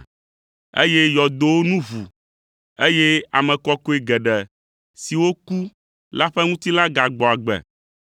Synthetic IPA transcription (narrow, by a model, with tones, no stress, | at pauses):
ḛ˦je˦jɔ˨d̪o˨wo˦nũ˦vu˨ | e˦je˦a̰˨mɛ̃˨kɔ˦ko˦e˨ɡɛ˨ɖɛ˨ | si˨wo˦ku˦ | la˦ɸɛ˦ŋũ˦t̪i˦la˦ɡa˨ɡ͡bɔ˨a˨ɡ͡bɛ̰˨